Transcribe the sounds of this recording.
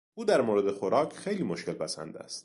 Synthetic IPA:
uːd̪æɾmoɾed̪exoɾɒːkʰxe̞jliːmoʃkʲe̞lpʰæsæ̰nd̪æ̰st̪

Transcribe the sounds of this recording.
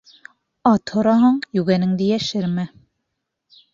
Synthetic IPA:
ɑt̪ʰhŏɾɑɦɑɴjʉɡænɘŋd̪ijæʃɘɾmɘ

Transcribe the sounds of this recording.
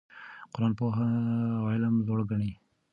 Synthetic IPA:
qʊɾɑːnpoɦawɑɪlamzoɽɡaɳi

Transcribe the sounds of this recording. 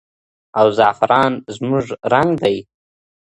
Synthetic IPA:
awzɑfɪɾɑnzmʊʐɾaŋɡd̪aj

